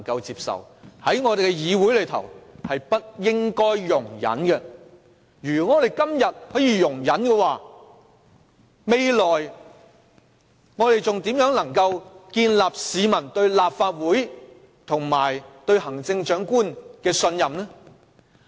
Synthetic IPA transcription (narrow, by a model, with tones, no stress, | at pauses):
ŋkɐ˧wt͡siː˧psɐ̰˨˩whɐ˨˥jŋɔː˨˧d̪e˨jkɛ˧jiː˨˧wuː˨˥jlɵ˨˧jt̪ʰɐ̰˨˩whɐ˨jpɐ˥t̚jɪ˥ŋkɔː˥jːʊ˨˩ŋjɐ̰˨˥nkɛ˧ | jyː˨˩ŋɔː˨˧ɾe˨jkɐ˥mjɐ˨t̚hɔː˨˥jiː˨˧jʊ˨˩ŋjɐ˨˥nkɛ˧waː˨ | me˨jlɔː˨˩j | ŋɔː˨˧ɾe˨jt͡sʊ˨ŋt̪iː˨˥mjœː˨˥ŋnɐ˨˩ŋkɐ˧wkiː˧nlaː˨p̚siː˨˧mɐ˨˩nt̪ɵ˧ɥlaː˨p̚faː˧t̚wuː˨˥j | t̪ʰʊ˨˩ŋmaː˨˩jt̪ɵ˧ɥhɐ˨˩ŋt͡sɪ˧ŋt͡ʃœː˨˥ŋkuː˥nkɛː˧sɵ˧njɐ˨mnɛː˥